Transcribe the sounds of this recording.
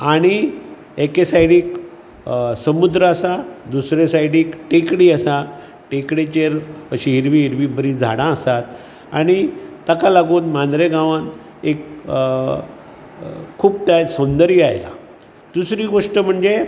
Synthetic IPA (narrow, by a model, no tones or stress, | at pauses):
aɽ̃i | ekesaiɽiːk | səmud̪ɾəəsad̪usɾesajɽiːkʈekɽiːəsa | ʈekɽet͡ɕeɾəɕiɦiɾʋiːɦiɾʋibəɾid͡zʱa̰ɽ̃ãəsat̪̚ | aɽ̃it̪əkalaɡuːnmãnd̪ɾeɡãʋãn | ek | uːb̚t̪asəwnd̪əɾijajla̰ | d̪̥usɾiːɡoʂʈəm̤əɳd͡ze